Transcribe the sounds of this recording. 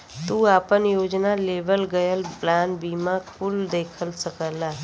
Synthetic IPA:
t̪uapənjod͡ʒnaleʋəlɡəjəlplanbimãkʰuld̪ekʰəlsəkəlːa

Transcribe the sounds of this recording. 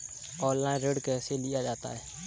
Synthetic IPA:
ɔːllaːɪ̃nɾeːɖkeselɪjad͡ʒaːt̪a̰ɦɛː

